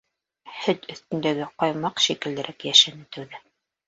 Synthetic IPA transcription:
hɵt̪ɵ̆θt̪ɵ̆nd̪æɡɘqɑjmɑqʃikɘ̆ld̪ɘ̆ɾʔækjæʃænɘt̪æwðɘ

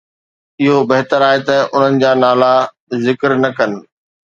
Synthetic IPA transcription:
ɪɦobɐɦt̪əɾaːɦet̪ɐʔʊn̤ənɪ̆d͡ʑaːnaːla | zɪkɾnɐkɐnɪ̆

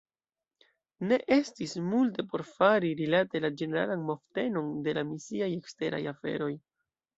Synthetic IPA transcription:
ne̞ʔe̞stismulte̞po̞ɾfaɾiɾilate̞lad͡ʒe̞ne̞ɾa̰lanmo̞fte̞no̞nde̞lamisiaje̞kste̞ɾa̰jafe̞̰ɾo̞j

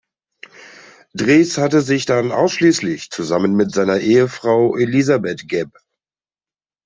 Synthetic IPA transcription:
d̥ʁeːshatəzɪçd̥anʔa̰ʊsʃliːslɪçt͡suzamənmɪtz̥aɪnɐʔeːəfʁ̥aʊʔelizabɛtɡ̥ɛp̚

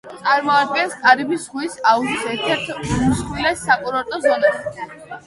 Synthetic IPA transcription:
t̪sʼaɾmɔad̪̚ɡɛnst̪ʼaɾibisʁwisautsɛɾt̪ʰɛɾt̪ʰusχwilɛsːakʼuɾɔɾt̪ʼɔzɔnaʃ

